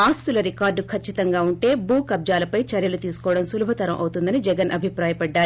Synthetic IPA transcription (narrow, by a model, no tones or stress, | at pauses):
aːst̪ulɐɾikaːɾɖkʰɐt͡ʃːit̪ɐŋɡaːuɳʈe̞ːbuːkɐb̚d͡ʒaːlɐpɐjt͡ʃɐɾjɐlut̪iːsu̥kɔːʋɐɽɐmsulubʱɐt̪ɐɾɐmʔɐ̰wt̪und̪ɐnid͡ʒɛɡɐnʔɐbʱipɾaːjɐpɐɖːaːɾ